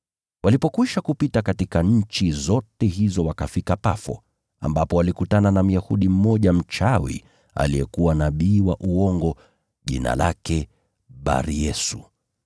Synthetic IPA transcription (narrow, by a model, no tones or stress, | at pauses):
walipɔkwiʃakupitakatikaɲ̩t͡ʃizɔtɛɦizɔwakafikapafɔ̰ | a̰mbapɔwalikutananam̩jahuɗim̩mɔʄam̩t͡ʃawḭ | a̰liɛ̰kuwanaɓiːwaʔuɔŋɡɔ | ʄḭna̰lakɛ | ɓa̰ɾijɛsu